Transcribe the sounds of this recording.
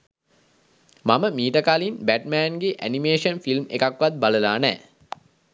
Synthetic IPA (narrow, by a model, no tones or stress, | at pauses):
maməmiːʈəkaːlinbæʈ̚mæːnɡeʔænimeːʂənfilmḛkakʋat̪̚baləlaːnɛ̰ː